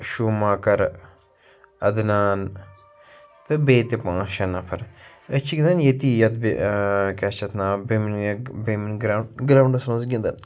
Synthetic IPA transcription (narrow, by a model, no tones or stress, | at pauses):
ʃumaːkɐɾ | ɐd̪naːn | t̪ɨbeːt̪ipãːʃɐnɐpʰɐɾ | ət͡ʃʰiɡind̪ɐnjet̪ijɐt̪bḛkɐt͡ʃɐt̪ʰnaːbeminbeminɡɾaɡɾaːwɳɖɐsmɐnzɡʲĩnd̪ɐn